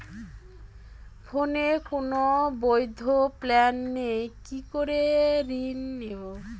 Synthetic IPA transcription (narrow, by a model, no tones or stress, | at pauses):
fʰonekonobojd̪ʱoplɛnːejkikoɾeɾinːebo